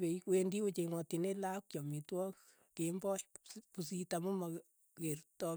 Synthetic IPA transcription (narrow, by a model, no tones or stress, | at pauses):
pekwendiot͡ʃeŋwɔtinelakt͡ʃɔmitwɔk | kembɔjpusitamuma | kertɔ